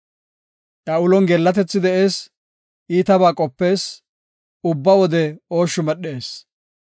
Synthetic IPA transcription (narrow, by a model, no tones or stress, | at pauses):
ʔɐʊlɔnɡɛlːɐt̪ɛt͡sːɪd̪ɛʔe̞ːs | iːt̪ɐbaːkʼɔpːe̞ːs | ʊbːɐwɔd̪ɛoːʃːʊmɛɗːe̞ːs